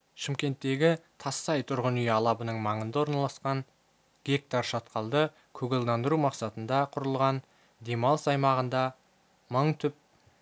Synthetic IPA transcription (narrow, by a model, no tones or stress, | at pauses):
ʃɪmkʲe̞nt̪ːe̞ɡʲɪt̪ʰɑsːɑjt̪ʰʊɾʁənʏjɑlˠɑbənəɴmɑɴənd̪ɑwoɾnɑlˠɑsqɑŋ | ɡ̥ʲe̞k̚t̪aɾʃɑt̪qɑlˠd̪ə | kʲʰɵɡɪlˠd̪ɑnd̪əɾumɑqsɑt̪ənd̪ɑqʰʊɾəlˠʁɑn | d̪e̞mɑlˠəsɑjmɑʁənd̪ɑ | məɴt̪ʰʏp̚